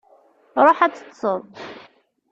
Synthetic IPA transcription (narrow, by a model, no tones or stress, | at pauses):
ɾˤoħæt͡sːə̥t̪ːsˤəðˤ